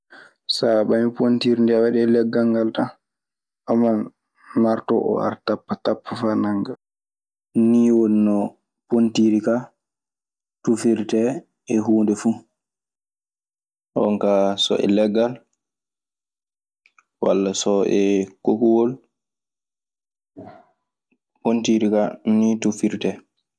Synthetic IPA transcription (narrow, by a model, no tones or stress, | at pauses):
saɓamipontiɾindɛawaɗiɛlɛɡːaŋɡalta | aman | maɾtɔ̰ʔɔ̰a̰ɾtapːatapʰːafanaŋɡa | niːwonnɔ | pontiɾika | tufiɾtɛ | ɛɦuːndɛfu | ʔɔ̰ŋkasɔ̰ʔɛ̰lɛɡal | wa̰lːasɔʔɛkokuwol | pontiɾikanitufiɾtɛ